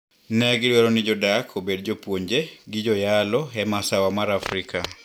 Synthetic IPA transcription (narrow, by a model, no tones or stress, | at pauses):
nɛɡɪdwɛɾɔnɪd͡ʒɔdakʰobedd͡ʒopwoɲd͡ʒeɡɪd͡ʒɔjalɔɛmasawamaɾafɾikʰa